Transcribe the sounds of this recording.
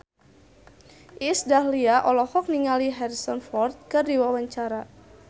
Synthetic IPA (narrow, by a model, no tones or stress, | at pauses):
ʔisdahliaʔɔlɔhɔk̚niŋaliɦɛrsɔnfɔrt̪̚kɨrdiwawaɲt͡ʃaɾa